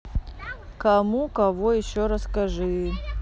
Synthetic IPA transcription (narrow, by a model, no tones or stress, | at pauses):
kɐmukɐvojɪɕːoɾəskɐʐɨ